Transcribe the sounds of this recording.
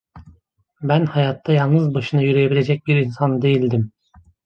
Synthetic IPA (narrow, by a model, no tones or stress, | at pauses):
bænhɑjɑt̪ʰːɑjɑlˠnɯzbaʃɯnɯjyɾejebilʲe̞d͡ʒɛc̚ʲbiɾinsɑnd̪e̞jilʲd̪im